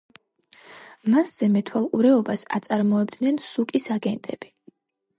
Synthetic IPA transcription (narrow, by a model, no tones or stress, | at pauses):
masz̥ɛmɛt̪ʰwalˠqʼuɾɛɔbasa̰t̪sʼaɾmɔɛbd̪nɛnsukʼisaɡɛnt̪ʼɛb̥i